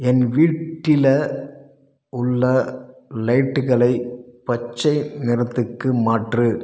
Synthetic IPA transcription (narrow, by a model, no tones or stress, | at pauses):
ɛnʋiːʈʈːɪlɐ | ʊɭːɐlɐɪʈːɯɣɐɭɐɪpɐt͡ʃːɐɪnɪɾɐt̪ːɯkːɯmaːʈrɯ